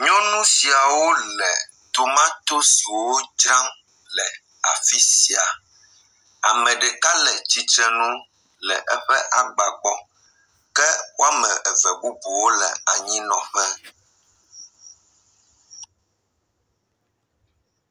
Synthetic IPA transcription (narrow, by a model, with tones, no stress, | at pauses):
ɲɔ̃˦nũ˦si˨a˨wo˦lɛ˨ | t̪o˨mã˦t̪o˦su˨wo˦d͡ʒa˦m | lɛ˨ | a̰˨fi˦si˨a˨ | a˨mɛ̃˨ɖɛ˨ka˦lɛ˨t͡ɕi˦t̪ɾɛ˦nũ˦ | lɛ̰˨ʔɛ˦ɸɛ˦ʔa˨ɡ͡ba˨k͡pɔ˦ | kɛ˦wo˦a˦mɛ̃˨ʔɛ˨vɛ˨bu˦bu˨wo˦lɛ̰˨a˨ɲĩ˦nɔ̰̃˨ɸɛ˦